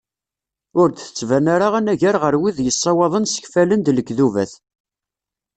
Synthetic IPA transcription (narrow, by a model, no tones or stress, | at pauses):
ʊɾd̪θə̥t͡sːvænaɾaʁænæʝaɾʁəɾwiðjəsˤːɑwɑðˤənsə̥çfælənd̪ləɡðuvæ̰θ